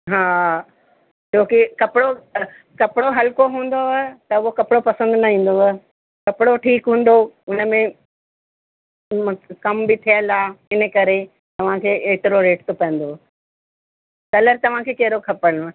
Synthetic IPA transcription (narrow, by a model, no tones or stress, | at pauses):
ɦaː | t͡ɕoːkikɐpɪɽo | kɐpɪɽoɦɐlkoɦũːn̆d̪oɦt̪ɐʊokɐpɪɽopɐsə̃nd̪nɐɦĩːn̆d̪o | kɐpɪɽoʈʰiːkɦũːn̆d̪oʊnəmẽ | kɐmbɪt̪ʰijəlaːɪnə̆kɐɾe | t̪ɐʋ̤ãkʰeːeːt̪ɪɾoɾeːʈt̪ʰopɐ̃ə̃n̆d̪o | kɐləɾt̪ɐʋ̤ãkʰeːkɐɦɾokʰɐpəɽ̃